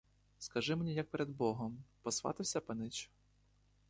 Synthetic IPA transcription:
skɐʒɪmenʲijɐk̚peɾed̪bɔɦɔmpɔsʋɑ̰t̪ɪwsʲɐpɐnɪt͡ʃʊ̥

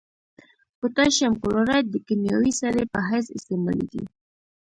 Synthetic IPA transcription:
put̪aʃamkʊloɾaj̚d̪əkimja̰wisaɾepəɦajsɪ̰st̪ema̰lḭd̪ḭ

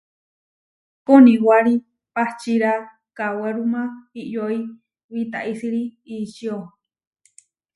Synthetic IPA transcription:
konĩwaɾi | pat͡ʃiɾa | kaweɾumãiʔjoi | βit̪a̰ʔisiɾiːʃio

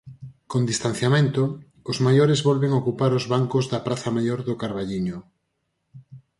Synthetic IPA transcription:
kond̪ist̪an̟θjamẽnt̪ʊ | ʊzmajoɾezβɔlβeŋokupaɾʊzβaŋkʊzðɐpɾaθɐmajoɾðʊkaɾβaʎiɲʊ

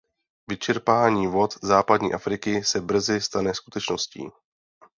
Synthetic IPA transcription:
vɪt͡ʃɛɾpaːɲiːvo̞t̪zaːpadɲḭːʔafɾɪkɪsɛbr̩zɪst̪anɛskut̪ɛt͡ʃno̞scḭː

